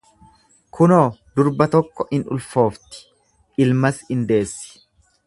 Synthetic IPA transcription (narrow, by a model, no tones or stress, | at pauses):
kʰʊnoːd̪ʊɾbɐt̪ɔkːɔʔɪnʊ̰lfo̞ːft̪ɪ̥ | ʔɪlmɐsɪnd̪e̞ːsːɪ̥